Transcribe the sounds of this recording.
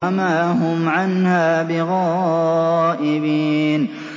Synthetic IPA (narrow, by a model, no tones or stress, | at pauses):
amaːɦʊmʕanhaːbɪɣɑː | ʔɪbiːn